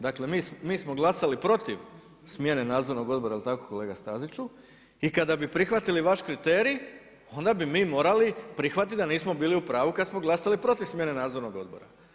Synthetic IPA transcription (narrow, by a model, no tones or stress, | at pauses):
d̪akle̞miːsmiːsmo̞ɡlˠasalipɾo̞t̪iʋ | smje̞ne̞naːd̪zo̞ɾno̞ɡo̞d̪bo̞ɾailit̪akoko̞le̞ːɡast̪azit͡ʃu | ikad̪abipɾixʋat̪iliʋaʃkɾit̪e̞ːɾi | o̞nd̪abimiːmo̞ːɾalipɾixʋat̪it̪d̪aniːsmo̞biːliupɾaːʋukad̪smo̞ɡlˠasalipɾo̞t̪iʋsmje̞ne̞naːd̪zo̞ɾno̞ɡo̞̰d̪̚bo̞̰ɾa̰